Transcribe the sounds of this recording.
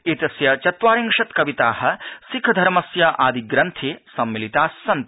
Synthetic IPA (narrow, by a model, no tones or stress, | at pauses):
it̪ɐsjɐt͡ʃɐt̪ʋaːɾiŋkʂɐt̪kɐʋit̪aːhɐ̆sikʰd̪ʱɐɾmɐsjɐʔaːd̪iɡɾɐnt̪ʰeːsɐmːilit̪aːsːɐnt̪